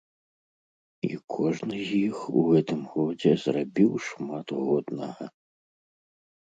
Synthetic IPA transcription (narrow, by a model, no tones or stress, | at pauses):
ḭkʰɔʐnɨzʲjixuɣɛt̪ɨmɣɔd͡zʲɛzrabʲiwʂmat̪ɣɔd̪nɐ̰ɣɐ